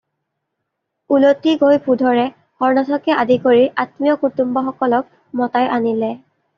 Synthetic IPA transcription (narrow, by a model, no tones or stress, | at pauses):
ulotiɡojpʰudʱɔɹɛ | xɔɹnatʰɔkɛadikoɹiʔatmijɔkutumbɔxɔkɔlɔk̚ | mɔtajʔanilɛ